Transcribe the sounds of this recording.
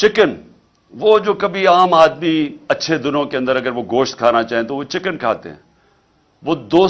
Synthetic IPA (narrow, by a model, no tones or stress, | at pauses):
t͡ʃɪkən | ʋoːd͡ʒoːkɐbʱiaːmaːd̪miɐtːʃʰed̪ʊnõkeɐ̃nd̪əɾɐɡəɾʋoɡoːʃt̪̚kʰaːnat͡ʃaːɦẽt̪oʋot͡ʃɪkənkʰa̰ːt̪ḛɦɛ̰̃ː | ʋoːd̪oː